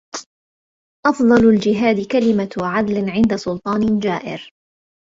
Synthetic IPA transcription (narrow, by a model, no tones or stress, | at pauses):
ʔɑfðˤɑlʊld͡ʒɪɦaːd̪ɪkalɪmaʕad̪lɪʕɪnd̪asʊlt̪ˤɑːnɪd͡ʒaːʔɪ̰ɾ